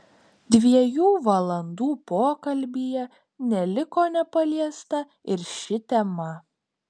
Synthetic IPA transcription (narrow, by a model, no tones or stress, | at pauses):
d̪ʲʋʲiɛjuːʋɐlˠɐnd̪uːpoːkɐlʲbʲiːjɛ | nʲɛlʲɪkoːnʲɛpɐlʲiɛst̪ɐ | ɪɾʃʲɪt̪ʲɛmɐ